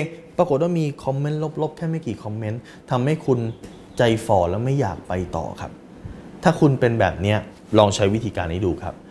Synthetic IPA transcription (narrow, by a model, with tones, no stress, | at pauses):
pɾa˧ko˨˩t̪̚waː˥˩miː˧kʰɔ˧mːe˦˥nlo˦˥p̚lo˦˥p̚kʰɛː˥˩ma˥˩jkiː˨˩kʰɔ˧mːe˦˥n | t̪ʰa˧mha˥˩jkʰu˧n | t͡ɕa˧jfɔː˨˩lɛː˦˥wma˥˩jːa̰ː˨˩k̚pa˧jt̪ɔ̰ː˨˩kʰa̰˦˥p̚ | t̪ʰaː˥˩kʰu˧npe˧nbɛ̰ː˨˩p̚ni˦˥ɐ | lɔː˧ŋt͡ɕʰa˦˥jwt̪ʰiː˧kaː˧nːiː˦˥duː˧kʰa̰˦˥p̚